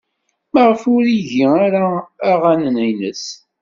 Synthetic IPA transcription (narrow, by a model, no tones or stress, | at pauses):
məʁəfʊɾiʝiaɾaːʁanənæjnəs